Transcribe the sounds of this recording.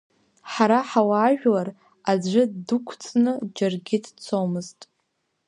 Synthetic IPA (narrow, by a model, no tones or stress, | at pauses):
ħaɾaħawaːʒᶣlar | ad͡zʷɨdukʷʰt͡sʰʼnɨd͡ʒarɡʲɪdt͡sʰowmɨztʼ